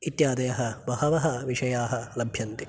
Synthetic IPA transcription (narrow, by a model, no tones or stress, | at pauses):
it̪jaːd̪ɐjɐɦɐ̆bɐɦɐʋɐɦɐʋiʂɐjaːɦɐlɐbʱjɐnt̪i